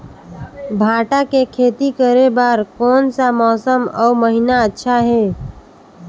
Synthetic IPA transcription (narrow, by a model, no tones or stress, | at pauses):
bʱaːʈakekʰeːt̪ikəɾebaːɾkɔːnsamɔːsəmɔ̰uməɦinaətːʃʰaɦɛː